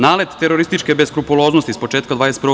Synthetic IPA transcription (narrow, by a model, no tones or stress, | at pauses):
naːlet̪t̪eɾoɾist̪it͡ʃkebeskɾupulo̞ːznost̪ispo̞t͡ʃeːt̪kad̪ʋaːjest̪pɾ